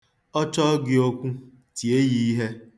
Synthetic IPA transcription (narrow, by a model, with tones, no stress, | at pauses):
ɔ˦t͡ʃɔ˦ɡɪ˦o˦kʷu˦ | ti˨e˦ji˨i˦ɦe˦